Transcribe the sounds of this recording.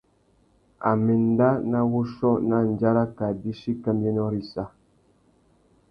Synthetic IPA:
a̰˨mi˨n˦da˦na˦wo˦ʃɔ˦na˦n˨d͡ʒa˦ɾa˦ka˨di˦ʃi˦ka˦mjɛ˦nɔ˦ɾi˦sa˦

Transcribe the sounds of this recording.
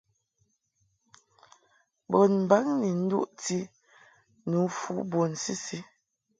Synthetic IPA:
bɔ˨nm̩˨ba˦ŋni˨n̩˦dṵ˦ʔti˦ | nu˨˦fṵ˦bo˨n̩˨si˦si˦

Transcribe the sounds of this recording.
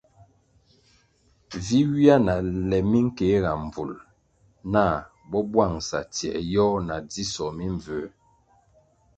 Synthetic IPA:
vi˦wi˦a˦na˨lɛ˨mi˦ŋ̩˦ke˨˦ɣa˨m˨vu˨l | na˦˨ | bɔ˦bwa˦˨ŋsa̰˨tjɛ̰˨ʔjɔ˦na˨d͡zi˦sɔ˨mi˦ɱ˨və˨˦

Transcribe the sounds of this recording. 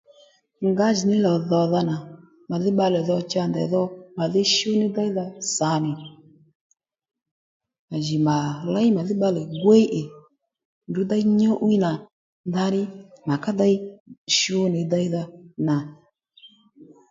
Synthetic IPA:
ŋɡa˨˦ʒi˨nɪ˦lɔ˨ðɔ˨ða˧na˨ | ma˨ðɪ˦ɓa˧lɛ˨ðɔ˧t͡ʃa˧˨nda˨˦ðɔ˦ma˨ði˦ʃo˦nɪ˦da˦i˦ða˧sa˨˦nɪ˨ | ma˨ʒi˨ma˨la˦i˦ma˨ðɪ˦ɓa˧lɛ˨ɡwe˦ʔe˨ | ndu˨˦da˦i˦ɲɔ˦ʔu˦i˦na˨ | n˦da˦ɾɪ˦ma˨ka˦da˦i˦ʃi˦o˦ni˨˦da˦i˦ða˧na˨

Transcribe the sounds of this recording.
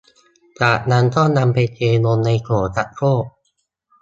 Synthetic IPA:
t͡ɕaː˨˩k̚na˦˥nk̪ɔ˥˩na˧mpa˧jt͡ɕeː˧mo˧nːa˧jkʰoː˩˦sa˨˩t̪̚koː˥˩ʔ̚

